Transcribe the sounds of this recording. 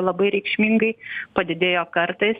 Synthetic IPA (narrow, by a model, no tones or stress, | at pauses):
lˠɐbɐɪɾʲɛɪkʃʲmʲiŋɡɐɪpɐd̪ʲɪd̪ʲeːjoːkɐɾt̪ɐɪs